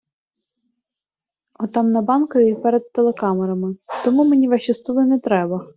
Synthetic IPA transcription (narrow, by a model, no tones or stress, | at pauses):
ɔt̪ɑmnɐbɑnkɔʋʲipɛɾed̪̚t̪elˠekɑmeɾɐmɪt̪ɔmumenʲiʋɑʃʲist̪ɔlˠɪnɛt̪ɾɛbɐ